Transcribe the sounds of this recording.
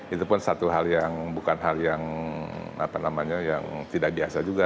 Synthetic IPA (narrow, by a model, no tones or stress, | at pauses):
it̪upʊnsat̪uɦaljaŋbukanɦaljaŋ | a̰panamaɲajaŋt̪idak̚biasad͡ʒuɡa